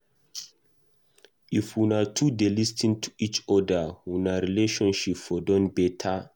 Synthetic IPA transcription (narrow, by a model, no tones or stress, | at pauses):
ifwunatʰudelistĩntʰu̥it͡ʃɔdəwunaɾileʃɔ̃nʃipfɔdɔ̃nbɛtʰa